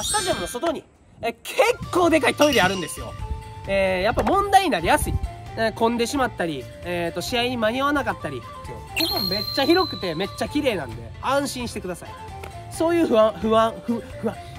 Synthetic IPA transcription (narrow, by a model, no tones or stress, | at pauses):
t̪aʑõnːo̞so̞t̪o̞ɲ̟i | kʰe̞kːo̞ːd̪e̞kait̪o̞iɾʲeaɾɯ̟̃nd̪e̞sɨjo̞̰ejapːaimõ̞nd̪aiɲ̟inaɾʲijasɨikõ̞nd̪e̞ɕimat̪ːaɾʲi | et̪ːo̞ɕiaiɲ̟imaɲ̟iaβanakat̪ːaɾʲi | s | ɡoõmme̞t͡ɕːaçiɾo̞kɯ̟̥t̪e̞me̞t͡ɕːakʲiɾe̞ːnã̰nd̪e̞̰ãɰ̃ɕĩɰ̃ɕi̥t̪e̞kɯ̟d̪asaḭ | so̞ːjɯ̟ːɸɯ̟ãɸɯ̟ãɸɯɸɯ̟ã